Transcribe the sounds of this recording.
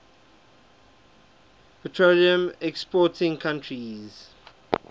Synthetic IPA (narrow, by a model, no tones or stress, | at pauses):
pətʰɹoliə̃mɛkspɔtʰɪ̃ŋkʰãntʰɹiz̥